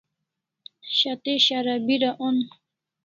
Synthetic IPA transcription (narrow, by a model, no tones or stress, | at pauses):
ɕat̪eɕaɾabiɾaʔon